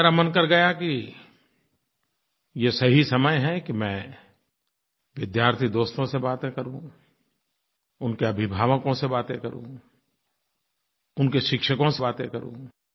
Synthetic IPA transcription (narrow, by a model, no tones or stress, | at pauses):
ɾamənkɐɾɡɐjaki | jesɐɦisɐməjɦɛkimɛ̃ː | ʋɪd̪jaːɾt̪ʰid̪oːst̪õsebaːt̪ẽkɐɾũ | ʊnkeɐbʱɪbʱaːʋəkõsebaːt̪ẽkɐɾṵ̃ | ʊnkeʃɪkʃəkõsebaːt̪ẽkɐɾṵ̃ː